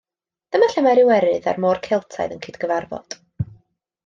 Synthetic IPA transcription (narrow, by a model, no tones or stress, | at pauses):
d̥əmaɬɛmaɾɪwɛɾɨða̰rmoːrkʰɪlˠtʰa̰jðənkʰiːdɡəvarvɔ̰d̥